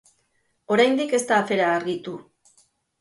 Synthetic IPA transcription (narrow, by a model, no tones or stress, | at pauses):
o̞ɾajnd̪ike̞st̪aːfe̞ɾaːɾɣit̪u